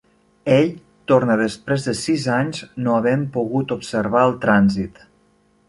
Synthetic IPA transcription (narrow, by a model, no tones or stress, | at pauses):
eʎ | t̪ornəðəspɾezðəsizaɲznoəβɛmpuɣut̪upsəɾβ̞aəlˠt̪ɾanzit̪